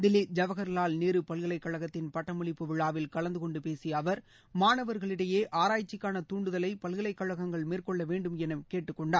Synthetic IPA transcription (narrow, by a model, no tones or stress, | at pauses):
d̪ɪlid͡ʒɐʋɐɣɐɾlaːlniːɾɯpɐlɣɪɭɐɪkːɐɻɐɣɐt̪ːɪnpɐʈːɐmʊɭɪpːɯʋɪɭːaːʋɪlkɐɭɐnd̪ɯkɔɳɖɯpeːsiɐʋɐɾ | maːnɐʋɐɾɣɐɭɪɽɐjeːʔaːɾaːjt͡ʃːɪkːaːnɐt̪uːɳɖɯðɐlɐɪpɐlɣɪɭɐɪkːɐɻɐɣɐŋɡɐɭmiːrkɔɭːɐʋeːɳɖɯmɛnɐmkeːʈːɯkːɔɳɖaː